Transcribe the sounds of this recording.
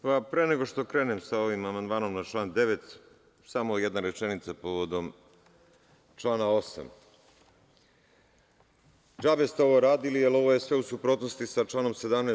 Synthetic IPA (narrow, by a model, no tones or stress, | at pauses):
papɾeːneɡo̞ʃt̪o̞kɾenemsao̞ʋimamand̪maːno̞mnat͡ʃlˠaːnd̪e̞ʋet̪ | samojed̪naɾet͡ʃenit̪sapo̞ʋod̪o̞m | t͡ʃlaːnao̞sa̰m | d͡ʒaːbest̪eo̞ʋo̞ɾaːd̪ilialo̞ʋo̞jesʋe̞usupɾo̞t̪nost̪isat͡ʃlˠaːno̞mse̞d̪amne